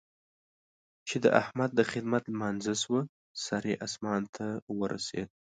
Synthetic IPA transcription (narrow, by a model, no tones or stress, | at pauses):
t͡ʃed̪əʔahmad̪̚ːəxɪd̪mat̪lmɑnzaswə | sɑɾeʔasmɑnt̪ʰawəɾʔa̰sḛd̪̚